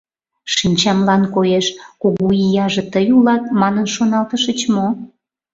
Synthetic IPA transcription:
ʃinʲt͡ɕɑmlɑnkojeʃkuɣuijɑʒĕt̪əjulɑt̪̚mɑnənʃonɑlt̪əʃət͡ɕmo

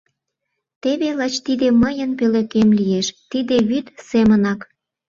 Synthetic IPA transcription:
t̪eβelɑt͡ɕt̪id̪eməjənpølekemlijeʃt̪id̪eβyt̪semənɑk

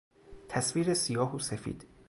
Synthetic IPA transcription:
t̪ʰæsviːɾesijɒːɦosefḭːd̪̥

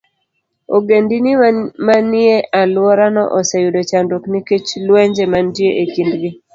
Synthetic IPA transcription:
o̰ɡendinimamanɪeʔalwɔɾanɔ̰ʔɔsejudot͡ʃandokniket͡ʃlwɛɲd͡ʒemantjeʔekindɡi

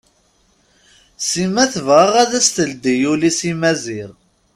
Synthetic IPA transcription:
simæθvʁəʁæðæst̪əld̪ijulisimæziɾ

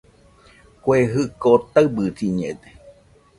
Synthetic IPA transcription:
kʷeɦɨkot̪aɨbɨsiɲḛ̃d̪e

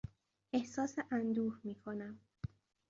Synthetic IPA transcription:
ʔe̞hsɒːseʔænd̪uːhmiːkʰonæm

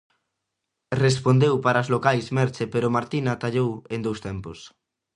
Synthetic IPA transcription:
respond̪ewpaɾaozlokajsmɛɾt͡ʃepeɾʊmaɾt̪inɐt̪aʎowend̪owst̪ɛmpos

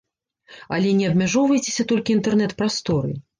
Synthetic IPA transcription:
ɐ̰lʲɛnʲɛɐbmʲaʐɔwvɐjt͡sʲe̥sʲɐt̪ɔlʲkʲiːnt̪ɛrnɛt̪pɾast̪ɔɾɨ̰

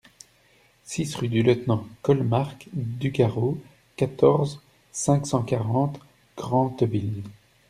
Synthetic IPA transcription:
sisʁyd̪yljət̪nɑ̃kɔlmaʁkd̪yɡaʁo | kat̪ɔʁz | sɛ̃ksɑ̃kaʁɑ̃t̪ | ɡ̥ʁɑ̃t̪vil

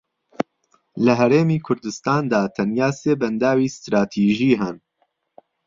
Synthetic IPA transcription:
ləɦɛɾeːmiːkʰʊɾd̪ɨst̪aːnd̪aːt̪ʰɐnjaːseːbɛnd̪aːwiːst̪ɾaːt̪ʰiːʒiːɦɛn

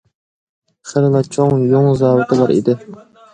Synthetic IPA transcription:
χəɾɨlˠɑt͡ʃʰoŋjoŋzɑːwɨt̪ʰɨlˠɑɾḭd̪ɪ

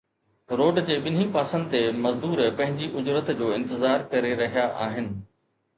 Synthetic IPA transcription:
ɾoːɖd͡ʑeːɓɪn̤ipaːsə̃nd̪ɪt̪emɐzd̪uːɾpɐ̃ɦɪ̃ɲd͡ʑiʔʊd͡ʑɾət̪d͡ʑoːɪ̃nt̪ɪzaːɾkɐɾeɾɐɦijaʔa̰ːɦɪnɪ̆

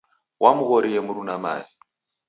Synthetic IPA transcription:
wʔamuɣɔɾiɛmuɾunama̰ːji

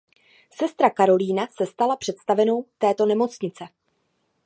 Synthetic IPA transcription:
sɛst̪ɾakaɾo̞liːnasɛst̪alapr̥ɛt̪st̪avɛno̞wt̪ɛːt̪o̞nɛmo̞t͡sɲɪt͡sɛ

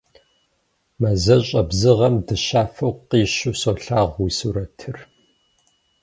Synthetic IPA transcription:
mɐzɐɕʼɐbzɨʁɐmdɨɕaːfɐwqiːɕuːsoːɬaːʁʷwisuɾɐtʰɨr

